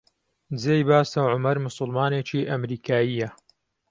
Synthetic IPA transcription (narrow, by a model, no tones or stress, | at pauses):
d͡zeːjbaːsɐʕʊmɐɾmʊsʊlmaːneːt͡ʃiːʔɐmɾiːkʰaːjiːjɐ